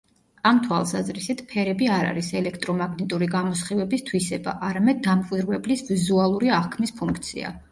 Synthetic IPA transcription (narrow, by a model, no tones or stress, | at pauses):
amt̪ʰwa̰lˠsazɾisit̪ʰpʰɛɾɛbiaɾa̰ɾisɛlɛkʰt̪ʼɾɔmaɡnit̪ʼuɾiɡamɔsχivɛbist̪ʰwisɛba̰ʔaɾamɛd̪̚ːamkʼwid̪ɾvɛblisvizualˠuɾiaχkʰmispʰuŋkʰt̪sʰḭa̰